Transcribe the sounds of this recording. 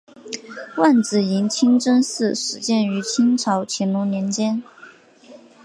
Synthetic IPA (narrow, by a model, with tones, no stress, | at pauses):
wa˥˩nt͡sɹ̩˨˩i˧˥nt͡ɕʰi˥ŋʈ͡ʂɤ˥nsɹ̩˥˩ʂɻ̩˨˩t͡ɕjɛ˥˩ny˧˥t͡ɕʰi˥ŋʈ͡ʂʰɑ˧˥ʊt͡ɕʰɛ˧˥nlu˧˥njɛ˧˥nt͡ɕjɛ˥n